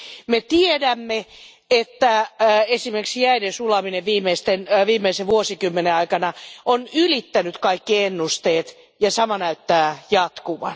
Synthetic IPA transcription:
met̪iedæmːe | et̪ːæesimerksijæidensulɑmineʋʋiːmeist̪enʋiːmːeiseʋuosikymːeneɑikɑnɑonylit̪ːænyt̪kɑikːienːust̪eːt̪ | jɑsɑmɑnæyt̪ːæːjɑt̪kuʋɑ̰n

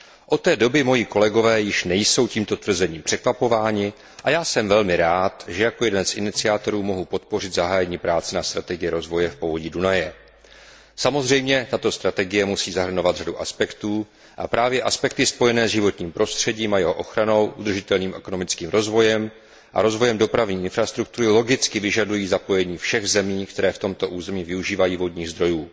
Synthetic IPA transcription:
ʔo̞t̪ːɛːdo̞bɪmo̞jiko̞lɛɡo̞vɛːjɪʃnɛjso̞wciːmt̪o̞t̪vr̩zɛɲiːmpr̥ɛkvapo̞vaːɲɪ | ʔajaːsɛmvɛlmɪɾaːt̪ʒɛjakojɛdɛnsʔɪnɪt͡sɪaːt̪o̞ɾuːmo̞ɦupo̞t̪̚po̞rɪd̪zaɦaːjɛɲiːpɾaːt͡sɪnast̪ɾat̪ɛɡɪjɛɾo̞zvo̞jɛfpo̞vo̞ɟiːdunajɛ | samo̞zrɛjmɲɛt̪at̪o̞st̪ɾat̪ɛɡɪjɛmusiːzaɦr̩ɲo̞vad̪raduʔaspɛkt̪uː | ʔapɾʔaːvjɛʔaspɛk̚t̪ɪspo̞jɛnɛːzʒɪvo̞t̪ɲiːmpɾo̞st̪r̝̥ɛɟiːmajɛɦoʔo̞xɾano̞wʔud̪r̩ʒɪt̪ɛlniːmɛko̞no̞mɪt͡skiːmɾo̞zvo̞jɛm | ʔa̰ɾo̞zvo̞jɛmdo̞pɾavɲiːʔɪnfɾast̪ɾuk̚t̪uɾɪlo̞ɡɪt͡skɪvɪʒadujiːzapo̞jɛɲiːfʃɛɣzɛmiːkt̪ɛɾɛːft̪o̞mt̪o̞ʔuːzɛmiːvɪuʒiːvajiːvodɲiːɣzd̪ɾo̞juː

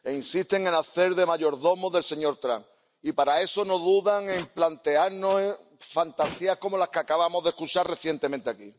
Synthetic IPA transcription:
einsist̪e̞ŋẽ̞naθe̞ɾðe̞maʎo̞ɾðo̞moðe̞lse̞ɲo̞ɾt̪ɾa̰ŋ | ipaɾae̞so̞no̞ðuðaŋe̞mplant̪e̞aɾno | fant̪asiahko̞mo̞lakeakaβamoðehkut͡ʃaɾre̞θje̞nt̪emẽnt̪eaki

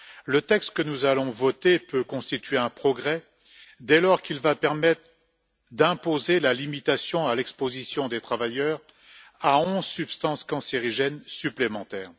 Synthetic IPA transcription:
lət̪ɛkst̪kənuzalɔ̃vɔt̪epøkɔ̃st̪it̪ɥeɛ̃pχɔɡʁɛ | d̪ɛlɔʁkilvapɛʁmɛt̪χ | d̪ɛ̃pozelalimit̪asjɔ̃alɛkspozisjɔ̃d̪et̪χavajœʁ | aɔ̃zsypst̪ɑ̃skɑ̃seʁiʒɛnsyplemɑ̃t̪ɛːʁ

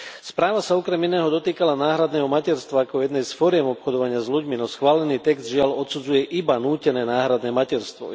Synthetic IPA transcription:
spɾaːʋasaɔkɾɛminɛːɦɔd̪ɔt̪iːkalanaːɦɾad̪nɛːɦɔmacɛɾst̪ʋaːkɔjɛd̪nɛjsfɔɾɪɛmɔpxɔd̪ɔʋaɲɪazluɟminɔsxʋaːlɛniːt̪ɛɡzd̪ʒɪalɔt̪sud͡zujɛʔibanuːcɛnɛːnaːɦɾad̪nɛːmacɛɾst̪ʋɔ̰

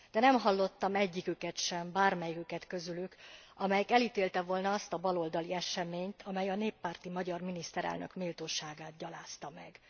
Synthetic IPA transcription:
d̪̥ɛnɛmɦɒlːo̞t̪ːɒmɛɟːikykɛt̪ʃɛmbaːrmɛjikykɛt̪kø̞zylykɒmɛjɛkɛlit̪eːlt̪ɛvo̞lnɒɒst̪ɒbɒlo̞ld̪ɒliɛʃɛmeːɲt̪ʰɒmɛjɒneːpːaːrt̪imɒɟɒrminist̪ɛɾɛ̰lnø̞̰kmiːlt̪oːʃaːɡaːt̪ɟɒlaːst̪ɒmɛɡ

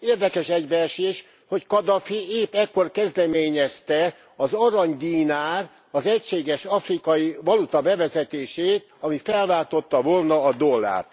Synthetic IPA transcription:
eːrd̪ɛkɛʃɛɟbɛrʃeːʃ | ho̞ckɒd̪ɒfieːpɛkːo̞rkɛzd̪ɛmeːɲɛst̪ɛ | ɒzɒɾɒɲd̪iːnaːr | ɒzɛcʃeːɡɛʃɒfrikɒjivɒlut̪ɒbɛvɛzɛt̪eːʃeːt̪ɒmifɛlvaːt̪o̞t̪ːɒvolnɒːd̪olːa̰ːrt̪

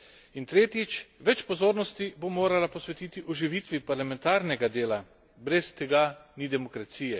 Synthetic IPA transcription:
int̪ɾeːt̪jit͡ʃʋɛt͡ʃpɔzoːɾnɔst̪ibomoːɾalapɔsʋɛt̪iːt̪iʔɔʒiʋit̪ʋipaɾlamɛnt̪aːɾnɛɡad̪eːla | bɾɛst̪ɛɡanid̪ɛmɔkɾat̪siːjɛ

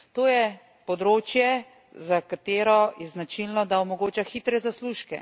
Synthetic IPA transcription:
t̪oːjɛ | pɔd̪ɾoːt͡ʃjɛ | zakat̪eːɾɔjɛznat͡ʃilnɔd̪aɔmɔɡoːt͡ʃaxiːt̪ɾɛzasluʃkɛ̰

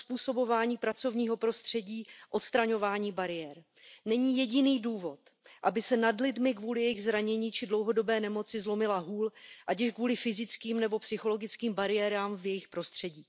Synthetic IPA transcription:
spuːso̞bo̞vaːɲiːpɾat͡so̞vɲiːɦo̞pɾo̞st̪r̥ɛɟiːʔo̞t̪st̪ɾaɲo̞vaːɲiːbaɾɪjɛɾ | nɛɲiːjɛɟɪniːduːvo̞t̪ʔabɪsɛnadlɪdmɪkvuːlɪjɛjɪɣzɾaɲɛɲiːt͡ʃɪdlowɦo̞do̞bɛːnɛmo̞t͡sɪzlo̞mɪlaɦuːlʔacɪʃkvuːlɪfɪzɪt͡skiːmnɛbo̞psɪxo̞lo̞ɡɪt͡skiːmbaɾɪjɛːɾaːmvjɛjɪxpɾo̞st̪r̝̥ɛɟiː

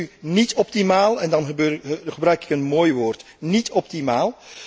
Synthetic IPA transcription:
ynitɔp̚timaːlˠɛndɑnbøːχəbrœɥkɪ̥kənmoːjʋoːrt | nitɔp̚timaːlˠ

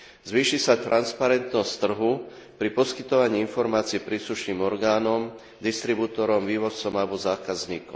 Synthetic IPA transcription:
zʋiːʃisat̪ɾʔanspaɾɛnt̪nɔst̪ːr̩ɦu | pɾipɔskit̪ɔʋaɲiːinfɔɾmaːt͡siɛpɾiːsluʃniːmɔɾɡaːnɔm | d̪ist̪ɾibut̪ɔɾɔmʋiːʋɔt͡sɔmalbɔzaːkazɲiːkɔ̰m

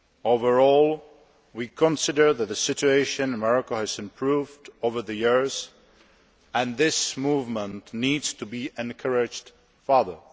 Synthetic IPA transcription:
oʊvə˞ɔːlˠ | wiːkʰɔ̃nsɪdə˞ðæt̪̚ðəsɪt͡ʃueɪʃɨ̃nəmɛɹɔkohɨzɨ̃mpʰɹuːvdovə˞ðɨjɪɹz | ʔɛ̃nðɪsmuːvmə̃ntnidstʰubiːʔɛ̃nkʰəɹɪd͡ʒd | fɑðə˞

